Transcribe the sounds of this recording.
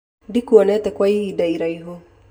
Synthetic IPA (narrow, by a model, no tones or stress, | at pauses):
dikuɔnɛt̪ɛkwaiidaiɾaiɦo